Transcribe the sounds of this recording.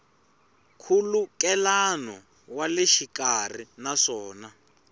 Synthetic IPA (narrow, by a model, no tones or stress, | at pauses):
kʰulukɛlanɔ | waleʃikar̤inaʂɔːna